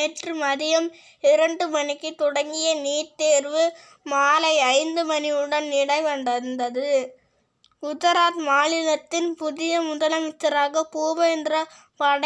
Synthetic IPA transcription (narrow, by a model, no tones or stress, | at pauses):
eːʈrɯmɐðɪjɐm | ɪɾɐɳɖɯmɐnɪkːɯt̪ɔɽɐŋɡɪjɐniːɾt̪eːɾʋɯ | maːlɐɪɐɪnd̪ɯmɐniɯɽɐnniːɽɐɪʋɐnd̪ɐɯnd̪ɐðɯ | ʊtɐɾaːtmaːlɪlɐt̪ːɪnpʊðɪjɐmʊðɐlɐmɪt͡ʃːɐɾaːɣɐpuːʋɐɛndrɐ | pɐɽ